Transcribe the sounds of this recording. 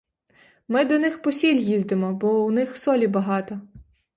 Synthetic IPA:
mɪd̪ɔnɪxpɔsʲilʲjizd̪emɔbɔʊnɪxsɔlʲibɐɦɑt̪ɔ

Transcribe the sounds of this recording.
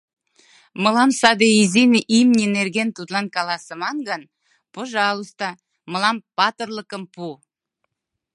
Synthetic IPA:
məlˠɑmsɑd̪eizʲinəʔimnʲineɾɡʲent̪ud̪lˠankalˠasəmaŋɡan | poʒɑlˠust̪a | məlˠɑmpat̪əɾlˠəkəmpu

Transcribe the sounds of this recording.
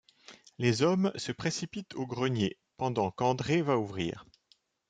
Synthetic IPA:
lezɔmsəpχesipit̪ʰoɡʁənje | pɑ̃d̪ɑ̃kɑ̃d̪ʁevauvʁḭːʁ

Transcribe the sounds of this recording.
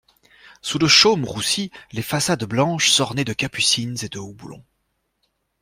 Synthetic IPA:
suləʃomʁusilefasad̪blɑ̃ʃsɔʁned̪əkapysinzed̪əobulɔ̰̃

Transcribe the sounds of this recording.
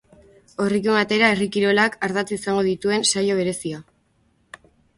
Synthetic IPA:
o̞rikumat̪e̞ɾaerikiɾo̞lakaɾðat͡s̪uisaŋɡo̞ðit̪ue̞nsajo̞β̞e̞ɾe̞sia

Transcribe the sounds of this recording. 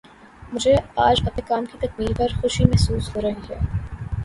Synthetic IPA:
mʊd͡ʒʱeaːd͡ʒɐpnekaːmkit̪ɐk̚miːɾpɐɾxʊʃimɛɦsuːsɦoːɾɐɦiɦɛː

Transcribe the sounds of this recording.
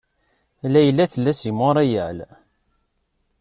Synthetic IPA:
lːæjəlːæθəlːæsimoɾˤæjæl

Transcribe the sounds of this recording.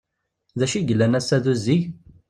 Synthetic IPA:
ðæʃiʝəlːænæsːæðuzːiʝ

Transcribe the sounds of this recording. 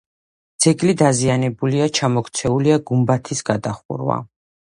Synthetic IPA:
d̪z̥ɛɡlid̪azianɛbuliat͡ʃʰamɔkʰt̪sʰɛuliaɡumbat̪ʰisɡad̪aχṵɾwa̰

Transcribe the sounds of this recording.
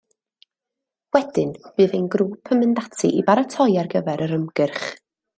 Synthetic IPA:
wɛd̥ɪnb̥ɨːðejnɡɾuːpʰəməndatʰḭʔibaɾətʰɔjarɡəvɛɾəɾəmɡ̥ɪrχ

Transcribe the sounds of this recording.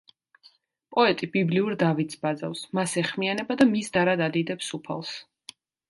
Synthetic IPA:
pʼɔɛt̪ʼibibliuɾd̪avit̪sbad̪za̰fsmasɛχmianɛbad̪amisd̪aɾad̪ad̪id̪ɛpsupʰa̰lˠs

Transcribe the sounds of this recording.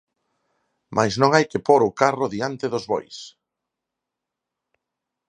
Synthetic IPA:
mʔajznõŋajkɪpoɾʊkarʊðiant̪ɪðʊzβɔ̰js

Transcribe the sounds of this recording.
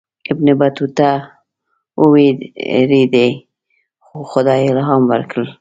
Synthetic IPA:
ɪbnɪbat̪ut̪a | uwiɾid̪e | xoxʊd̪ɑjelaɦamwə̰ɾkʰəl

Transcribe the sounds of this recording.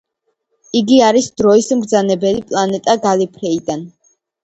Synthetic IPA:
iɡiaɾisd̪̥ɾɔismɡd̪zanɛbɛlipʼlˠanɛt̪ʼaɡalipʰɾɛid̪an

